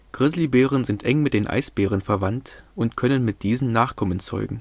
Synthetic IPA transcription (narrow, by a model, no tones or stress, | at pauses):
ɡ̥ʁɪzlibeːʁənzɪntʔɛŋmɪt̚d̥eːnʔa̰ɪsb̥eːʁ̞ənfɛɐvantʔʊntkʰœnənmɪt̚d̥iːzn̩nːaːχkʰɔmənt͡sɔ̰ʏɡŋ̩